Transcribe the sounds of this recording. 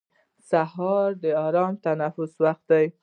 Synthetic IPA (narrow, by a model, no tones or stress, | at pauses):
saɦɑɾd̪əɑɾɑmt̪anafʊswaxt̪̚d̪aj